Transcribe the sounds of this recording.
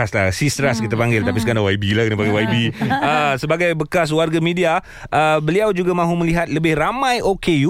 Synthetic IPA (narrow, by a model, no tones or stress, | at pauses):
asla̰sist̪əɾaskit̪̬apaŋɡɪlt̪apisəkanãwaibilahkənapaŋɡajwajbiəsəbaɡajbəkas̬warɡamĩdia | ʔəbəliawd͡ʒuɡamãɦuməliɦat̪̚ləbɪhramãjʔokeu